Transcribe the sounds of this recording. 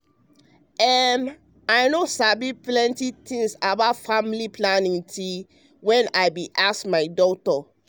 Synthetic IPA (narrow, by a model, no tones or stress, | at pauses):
ɛm | aɪnosabiplɛ̃ntit̪ĩŋsabaʊtfamiliplanĩŋtʰi | wɛ̃naɪbiʔaskmaɪdɔtɔ